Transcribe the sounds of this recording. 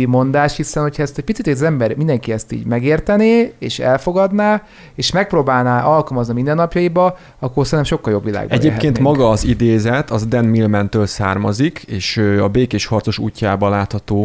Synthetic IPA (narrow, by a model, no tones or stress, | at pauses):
imo̞nd̪aːʃt̪hisɛnhocʰhɒɛst̪ɛc̚ʲpit͡sit̪ɛzɛmbɛrmind̪ɛŋkiɛst̪ḭːɟmɛɡeːrt̪ɛneeːʃɛ̰lfo̞ɡɒd̪naː | eːʃmɛk̚proːbaːlnaːʔɒlkɒlmɒznimind̪ɛnːɒpjɒjibɒ | ɒkːorsɛɾnɛmʃo̞kːɒljo̞bʋila̰ːɡbɛ̰ɟeːpkeːnt̪mɒɡɒːzid̪eːzɛt̪ʰɒzd̪ɛnmilmɛnt̪øːlsaːrmɒzikʰeːʃøɒbeːkeːʃhɒrt̪so̞ʃuːcːaːbɒlaːt̪hɒt̪oː